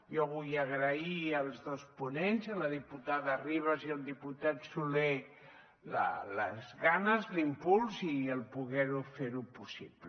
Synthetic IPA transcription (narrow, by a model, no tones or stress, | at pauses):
jɔβujaɣɾaiəlˠzðospunenzələðiput̪aðariβ̞aziəlˠd̪iput̪at̪sulɛ | lə̰lə̰zɣanəzlimpulˠziəlˠpuɣɛɾufeɾupusipl